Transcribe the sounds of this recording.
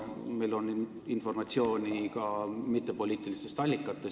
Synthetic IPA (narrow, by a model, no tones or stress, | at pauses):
me̞jlo̞n | info̞rmɑt̪sio̞ːnʲikɑmit̪ːe̞po̞lʲiːt̪ːˑilist̪e̞st̪ɑlʲːikːˑɑt̪ːˑe